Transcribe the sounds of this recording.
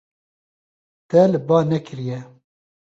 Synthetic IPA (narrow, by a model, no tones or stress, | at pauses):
t̪ɛlɨbɑːnɛkʰɨɾijɛ